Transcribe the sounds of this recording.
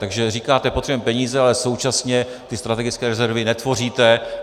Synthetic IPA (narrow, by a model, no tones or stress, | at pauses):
t̪aɡʒɛriːkaːt̪ɛpot̪r̥ɛbuɛmpɛɲiːzɛalɛso̞wt͡ʃasɲɛ | t̪ɪst̪ɾat̪ɛɡɪt͡skɛːɾɛzɛɾvɪnɛt̪vo̞riːt̪ɛ